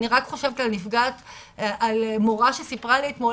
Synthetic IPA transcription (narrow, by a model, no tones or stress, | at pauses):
niʁakχo̞ʃevet̪alnifɡat̪ | ʔalmoʁaʃesipʁaleːt̪mo